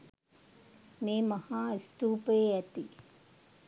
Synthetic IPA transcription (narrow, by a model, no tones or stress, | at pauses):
meːmɐhaːist̪uːpeːɐt̪i